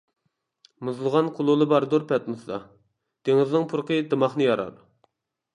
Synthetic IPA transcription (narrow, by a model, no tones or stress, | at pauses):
muzlˠəʁɑnqʰʊlˠulˠɨbɑɾd̪uɾpɛt̪̚mɨsd̪ɑ | d̪̥eŋɪznɨŋpʰʊɾqəd̪ɨmɑχnɨjɑɾɑ̰ɾ